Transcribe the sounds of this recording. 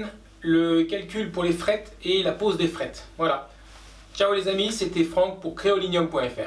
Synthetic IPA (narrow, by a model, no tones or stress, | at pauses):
n | ləkʲalkʲylpuʁlefχɛt̪elapozd̪efχɛt̪vwala | t͡ʃaolezamiset̪ɛfχɑ̃k̚puʁkχeɔlinjɔmpwɛ̃ɛfɛ̰ʁ